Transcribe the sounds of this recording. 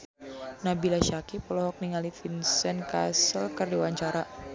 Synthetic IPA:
nabilaʃakipəlɔɦɔk̚niŋalifinsənka̰səlkərdiwaɲt͡ʃaɾa

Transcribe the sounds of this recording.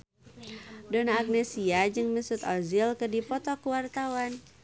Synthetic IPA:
dɔnaːɡ̚nɛsiad͡ʒɨŋmisut̪ɔzilkɨdipɔt̪ɔkuwart̪awan

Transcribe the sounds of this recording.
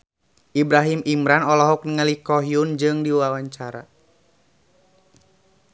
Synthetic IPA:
ʔibɾaɦimimɾanɔlɔɦɔk̚nəŋalikɔɦiund͡ʒɨŋdiwawaɲt͡ʃaɾa̰

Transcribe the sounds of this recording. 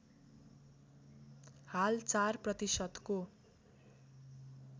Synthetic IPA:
halt͡sarprʌt̪isʌd̪ko

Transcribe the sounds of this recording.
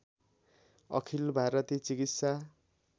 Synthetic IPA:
ʌ̰kʰilbʱaɾʌt̪it͡sikit̪sa

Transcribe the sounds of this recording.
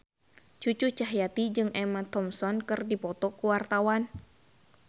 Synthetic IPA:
t͡ʃut͡ʃut͡ʃaɦjat̪id͡ʒɨŋʔɛmat̪ɔmsɔnkɨrdipɔt̪ɔkuwart̪awan

